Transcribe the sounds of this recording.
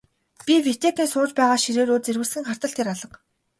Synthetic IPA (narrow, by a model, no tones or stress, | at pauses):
pʲiwit̪eːkʲiːnsʊːt͡ɕpæːʁaːʃiɾeːɾoːt͡serwɘ̆ɮsɘ̆ŋχar̥t̪ə̆ɬt̪ʰeɾaɮə̆q